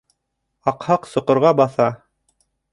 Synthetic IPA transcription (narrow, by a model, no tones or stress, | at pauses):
ɑqhɑqsŏqŏɾʁɑbɑθɑ